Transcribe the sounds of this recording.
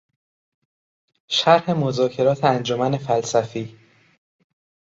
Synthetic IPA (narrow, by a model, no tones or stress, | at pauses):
ʃæɾhe̞mozɒːcʰe̞ɾɒːt̪ʰeænd͡ʒomæne̞fælsæfiː